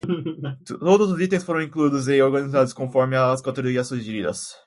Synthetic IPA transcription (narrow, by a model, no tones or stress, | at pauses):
t̪od̪ʊzdit̪ẽjsfoɾɐ̃w̃ĩŋklud̪ʊz̬eoɾɡɐ̃nizad̪ʊskõfɔɾmɪaskot̪oɾoɾiɐsuʒeɾid̪ɐ̰s